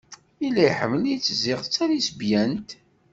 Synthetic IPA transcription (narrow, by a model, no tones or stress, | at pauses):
ilːæjħə̰mːəlijt͡sːzɪʁt͡sːæɾisbjænt̪